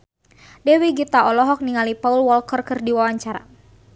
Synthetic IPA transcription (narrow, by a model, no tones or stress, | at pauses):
dɛwiɡit̪aɔlɔɦɔk̚niŋalipaulwɔlkərkɨrdiwawaɲt͡ʃaɾa̰